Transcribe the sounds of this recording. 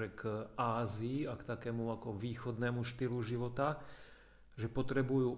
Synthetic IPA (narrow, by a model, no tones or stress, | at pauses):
ɛkaːziːakt̪akɛːmuakɔʋiːxɔd̪nɛːmuʃt̪iluʒiʋɔt̪a | ʒɛpɔt̪ɾɛbujuː